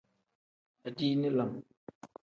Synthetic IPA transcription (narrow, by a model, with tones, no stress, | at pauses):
a˨di˦ni˦la˨m